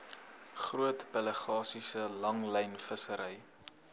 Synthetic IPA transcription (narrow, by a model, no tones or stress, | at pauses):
χruətbələχɑːsisəlɐŋlɛjnfəsəɾəj